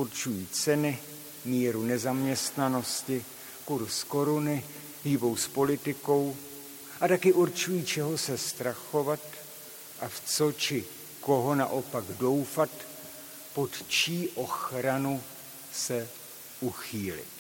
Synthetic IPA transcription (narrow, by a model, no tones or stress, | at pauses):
uɾt͡ʃujiːt͡sɛnɪ | miːɾunɛzamɲɛst̪nano̞scɪ | kuɾsko̞ɾunɪ | ʒɪvo̞wspo̞lɪt̪ɪko̞w | ʔat̪akɪʔuɾt͡ʃujiːt͡ʃɛɦo̞sɛst̪ɾaxo̞vat̪ | ʔaft͡so̞t͡ʃɪ | ko̞ɦo̞na̰ʔo̞paɡdo̞wfat̪ | po̞t̪t͡ʃiːʔo̞xɾanu | sɛ | ʔuxiːlɪ̰t̪